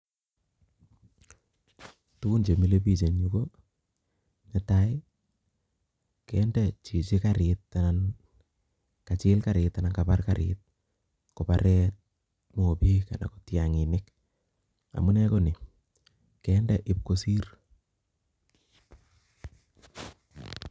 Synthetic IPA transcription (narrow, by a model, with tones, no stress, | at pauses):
tu˦ku˦nt͡ʃe˨mi˦le˦pi˦˨t͡ʃe˨ɲu˦ko˦ | nɛ˨taɪ˦ | kɛndɛ˨t͡ʃi˨t͡ʃɪ˦kaɾɪtːanan | ka˨t͡ʃɪ˦lkaɾɪta˨na˨nkaparkaɾɪ̰t̚ | kɔpaɾɛ˦t̚ | mo˨pi˦ka̰˨na̰˨ko̥˨tjaŋɪ˨nɪk | a̰˨mu˦nɛ˦ko˦nɪ˨ | kɛndɛ˨ʔɪ˨p̚ko˨si˦r